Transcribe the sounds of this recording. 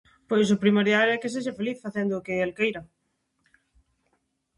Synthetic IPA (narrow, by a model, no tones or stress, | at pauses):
pojs̬ʊpɾimoɾjalɛkes̬eʃafeliθfaθend̪ʊːkɪelkejɾɐ